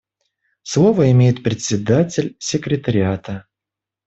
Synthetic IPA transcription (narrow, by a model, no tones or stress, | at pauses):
slˠo̞vəɪmʲejɪt̪̚pɾʲɪt̪ʲsʲɪd̪atʲɪlʲsʲɪkɾʲɪt̪əɾʲɪat̪ə